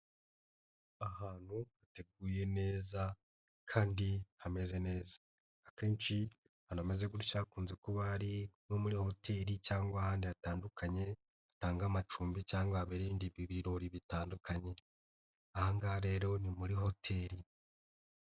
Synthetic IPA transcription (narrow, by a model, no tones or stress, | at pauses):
ahaːn̥huhate̞ɡ̚uje̞ne̞ːza | kʰaːndihame̞ze̞ne̞ːzḁː | ke̞ːnt͡ʃi | hanome̞ze̞ɡuɾuʃakuːnze̞kuβaɾinomuɾiho̞tʰe̞ɾit͡ʃaːŋɡwaːhaːndiataːndukʰaɲe̞ | ataːŋɡamat͡ʃuːmbicaːŋɡwaaβeɾiiːndiβiβiɾo̞ɾiβitaːndukʰaɲe̞ | ahaŋɡaaɾe̞ːɾo̞nimuɾiɦo̞tʰe̞ɾi